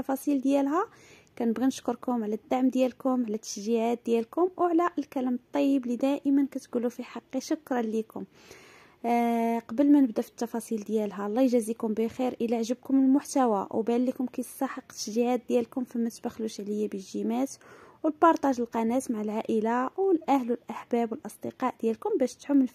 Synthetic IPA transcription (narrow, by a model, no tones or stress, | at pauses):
ɑfɑsˤild̪jælɦæ | kænəbɣinəʃkʊɾˤkʊmʕlæd̪ːaʕmd̪jælkʊmʕlæt̪ːə̥ʃʒiʕat̪̚d̪jælkʊmwʕlæʔəlkælæmət̪ˤːɑjːəblid̪æʔəmənkæt̪ɡulufiħɑqːiʃʊkɾˤɑnlikʊm | qɑbəlmænəbd̪æfi̥t̪ːɑfɑsˤild̪jælɦælˤːɑjʒæzikʊmbixiɾʔəlæʕʒəb̚kʊməlmʊħt̪æwæwbælːikʊmkæsˤɑħəqt̪ːə̥ʃʒiʕat̪̚d̪jælkʊmfimət̪bæxluʃʕləjːabəʒimæt̪wəlpɑɾˤt̪ˤɑʒəlqɑnæt̪maʕalʕaʔəlawəlʔæhlwəlʔaħbæbwəlʔəsˤd̪əqɑʔd̪̥jælkʊmbæʃt̪ħʊmːən